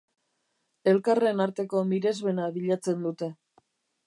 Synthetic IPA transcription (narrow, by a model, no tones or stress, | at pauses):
e̞lkare̞naɾt̪e̞ko̞miɾe̞zβe̞naβiʎat͡se̞nd̪ut̪e̞